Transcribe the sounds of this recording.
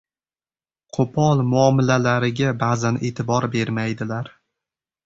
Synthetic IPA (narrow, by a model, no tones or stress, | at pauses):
qʰopʰɒlˠmʊɒmɪlalaɾɪɡʲabaːzane̞ːt̪ʰɪbɒɾbe̞ɾmajd̪ɪlaɾ